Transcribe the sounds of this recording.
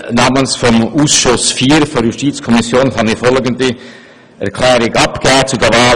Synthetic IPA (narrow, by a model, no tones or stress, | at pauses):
nɑːmənsfɔmuːsʃʊsfiːɾfoɾjustit͡skʰɔmisjoːnhɑnifɔlɡəndi | ɛ̰ʁkʰlɛːɾɪɡɑpɡ̥ɛːt͡sudɛvaː